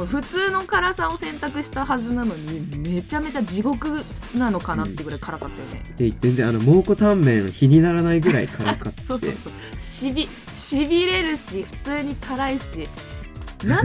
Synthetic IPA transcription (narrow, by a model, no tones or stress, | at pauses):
koɸɯ̟t͡sɨːno̞kaɾasao̞sẽ̞nt̪akɯ̟ɕi̥t̪aɦazɨnano̞ɲ̟ime̞t͡ɕame̞t͡ɕad͡ʑiɡo̞kɯ̟nano̞kanat̪ːeɡɯɾaikaɾakat̪ːajo̰nḛezẽnzẽ̞ano̞mo̞ːko̞t̪ãmːẽ̞çiɲ̟inaɾanaiɡɯ̟ɾaḭkʰaɾakat̪ot̪ːḛsoː | ɕibʲi | ɕibʲiɾe̞ɾɯ̟ɕiɸɯ̟̥t͡sɨːɲ̟ikʰaɾaiɕi | na